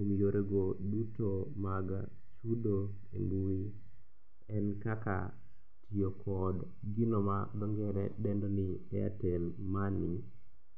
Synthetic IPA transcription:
emijoɾeɡodutomaɡa | t͡ʃudo | ḛŋɡui | ɛnkaka̰ | tʰijokʰɔd | ɡɪnɔmabɛŋɡɛɾɛdɛndɔniɛa̰telmani

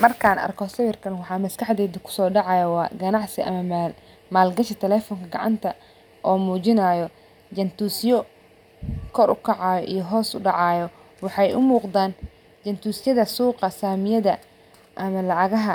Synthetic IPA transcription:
mɐrkʰaːnɐ̰rkʰɔsɐβɪrkʰɐnwɑħɑːmɐskʰɐħd̪ɛːðɐkʰʊ̥sɔːɖɑʕɑjɐwɑːɡɐnɑʕsɪʔɐ̰mɐm | maːlɡɐʃɐt̪ʰɛlɛːfɔŋkʰɐɡɑ̰ʕɑ̰nt̪ʰɐ | ʔɔːmuːt͡ʃɪnaːjɔ | d͡ʒɐnt̪uːsjɔ | kʰɔrʊkʰɑʕɑːjɔʔḭjɔɦɔːsʊɖɑʕɑːjɔ | wɑħɑjʊmuːqd̪aːn | t͡ʃɐnt̪ʰuːsjɐðɐsuːqɐsaːmɪjɐðɐ | ʔɐmɐlɑʕɑɣɐɦɐ

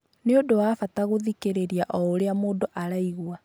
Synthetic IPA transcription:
neodowafataɣoðikeɾeɾijaʔɔːɾeamoːdoʔaɾaiɣwa

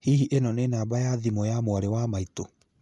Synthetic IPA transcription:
hiɦiʔenɔnenaːbajaðimɔjamwaɾewamaito

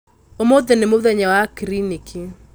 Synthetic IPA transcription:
omoðenemoðɛɲawakɾinikʰi

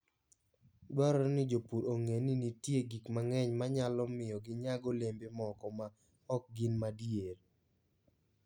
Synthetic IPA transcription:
dɔɾɔnɪd͡ʒopuɾoŋeninitjeɡikmaŋɛɲmaɲalɔmɪjɔɡɪɲaɡɔlembemɔkɔma | ɔk̚ɡɪnmadjeɾ

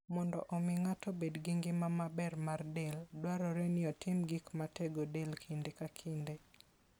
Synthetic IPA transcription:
mɔndɔ̰ʔɔmɪŋatobedɡɪŋɡɪmamabɛrmardeldwaɾɔɾɛnɪɔtɪmɡikmateɡodelkʰindekakʰinde

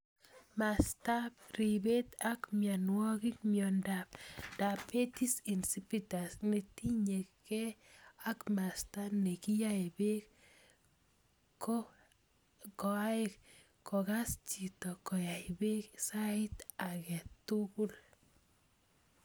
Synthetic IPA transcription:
mastabribet̪akmjanwɔkik̚mjɔndapd̥apːetisinsipitasnetiɲekkɛakmastanekijaɪbek | kɔ | kɔaekː | ɔkast͡ʃitɔkɔjaɪbeksaɪtakɛtukul

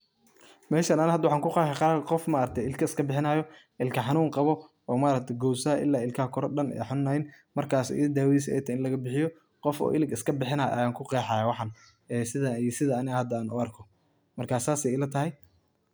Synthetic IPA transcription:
mɛːʃɐnaːnhɐd̪wɑħaːŋkʰʊqɛːħɛqɑɾqɔfmɐːɾk̚t̪ʰɛɪlkʰɐɪskʰɐbɪħɪnaːjɔ | ɪlkʰɐħɑnuːŋqɑβɔ | ɔːmaːɾɐk̚t̪ʰɛɡɔwsaːʔɪ̰lːaːɪlkʰɐkʰɔɾɔɖɐnɛ̰ːħɑnuːnɐɪn | mɐrkʰaːsɔ̰ːʔɪɐd̪aːwiːs̬ɛ̰jt̪ʰːɪnlɐɣɐbɪħɪjɔ | qɔfɔ̰ːʔɪlɪɡɪskʰɐbɪħɪnaːjʔɐ̰jaːŋkʰʊqɛːħaːjawɑħɑn | ɛːsɪðɐisɪðɐːnɪhɐd̪ɐaːnʊ̰ɐrkʰɔ | mɐrkʰaːsaːsɛjɪlɐt̪ʰɐɦɛj

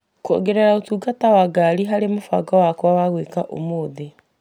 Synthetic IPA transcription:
koo̰ɡeɾɛɾaotuːɡatawaɡaɾiɦaɾemofa̰ɡawakwawaɣwekaʔo̰moːðe

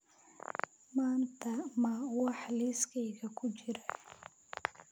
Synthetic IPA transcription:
maːnt̪ʰɐmɐwɑħliːskʰɛjɣɐkʰʊt͡ʃɪɾɐ

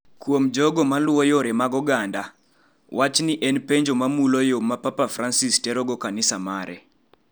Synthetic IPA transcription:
kwomd͡ʒɔɡɔmalwɔjoɾɛmaɡɔɡanda | wat͡ʃniʔɛnpeɲd͡ʒomamulojomapapafɾansistɛɾɔɡɔkanɪsamaɾɛ̰

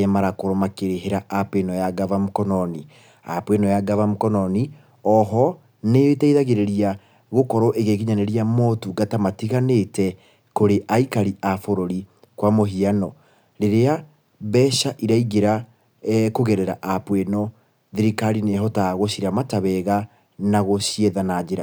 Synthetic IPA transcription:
ɛmaɾakoɾɔmakeɾeɦeɾaʔapenɔjaɡavamukɔnɔni | apwenɔjaɡavamukɔnɔni | ɔɦɔ | neetɛiðaɣeɾeɾia | ɣokɔɾɔʔeɣeɣiɲanɛɾiamɔtuɡatamatiɣanetɛ | koɾeʔaikaɾiʔafoɾoɾi | kwamoɦianɔ | ɾeɾea | βɛɕaʔiɾaiɡeɾa | koɣɛɾɛɾaʔapwenɔ | ðiɾikaɾineɦɔtaɣoɕiɾamataβɛɣa | naɣoɕieðanad͡ʒeɾa

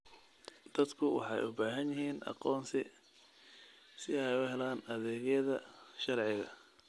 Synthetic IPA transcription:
d̪̥ɐd̪kʰʊwɑ̰ħɑ̰jʊ̰baːɦɐnjɪɦiːnɑ̰qɔːnsɪ | sɪɛjʊɦɛlaːnɐðɛːɣɐðɐʃɐrʕɪɣɐ̰

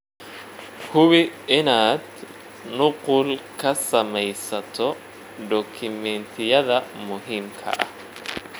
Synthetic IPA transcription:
hʊβɪɪnaːd̪ | nʊqʊlkʰɐsɐmɛjsɐt̪ʰɔ | d̪ɔːkʰɪmɛnt̪ʰɪjɐðɐmʊɦiːmkʰɐ̰ʔɐ̰h

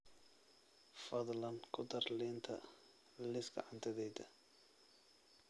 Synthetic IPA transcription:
fɐd̪lɐnkʰʊd̪ɐrliːnt̪ʰɐ̰ | lɪsɡɐ̰ʕɑnt̪ʰɐðɛjd̪ɐ

